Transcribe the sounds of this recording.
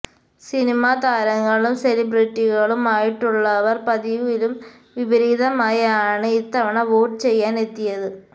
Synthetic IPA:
sinimaːd̪aːɾɐŋːɐɭumselibriʈːiɣɐɭumaːjiʈːuɭːɐʋɐrpɐðiʋilum | ʋibɐɾiːd̪ɐmaːjɐaːɳɨit̪ːɐʋɐɳɐʋoːʈːɨt͡ɕe̞jːaːne̞t̪ːijɐðɨ

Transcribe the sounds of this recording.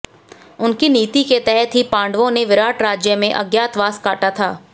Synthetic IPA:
ʊnkiniːt̪iket̪ɛɦɛt̪ɦipãːɳɖʋõneʋɪɾaːʈɾaːd͡ʒjəmẽʔɐ̰ɡjaːt̪ʋaːskaːʈat̪ʰaː

